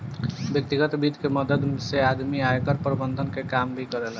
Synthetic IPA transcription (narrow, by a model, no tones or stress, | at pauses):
bjək̚t̪iɡət̪bid̪ʱkeməd̪əd̪sead̪miajkəɾpɾəbənd̪ʱənkekambʱikəɾɛl